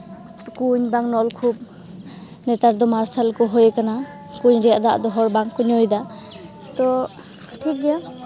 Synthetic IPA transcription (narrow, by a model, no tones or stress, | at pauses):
tɔkuɲbaŋnɔlkʰub̚ | nɛt̪aɾd̪ɔmaɾsalkɔɦɔjekana | kuɲɾijaʔd̪aʔd̪ɔɦɔɾbaŋkuɲɔjd̪a | t̪ɔ | ʈʰik̚ɡija